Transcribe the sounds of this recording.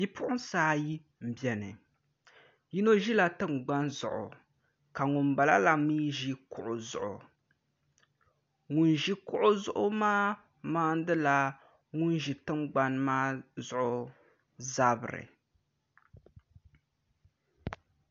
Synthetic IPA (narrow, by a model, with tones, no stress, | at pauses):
bi˦pʊ˦ʔʊ˦n˦saː˦ji˦ | m̩˨bjɛ˨nɨ̰˨ | ji˦no˦ʒi˦la˨tɨ˦mɡ͡ba˦nzʊ̰˨ʔʊ̰˨ | ka˨ŋʊ˨m˨ba˨la˦la˨miː˦ʒi˦kʊ˨ʔʊ˨zʊ̰˨ʔʊ̰˨ | ŋu˨nʒi˦kʊ˦ʔʊ˦zʊ˦ʔʊ˦maː˦ | maː˦n˦dɨ˦la˨ | ŋu˦nʒi˨tɨ˦ŋ͡mɡ͡ba˦nmaː˦zʊ˨ʔʊ˦ | za˦bɨ̰˨ɾɨ̰˨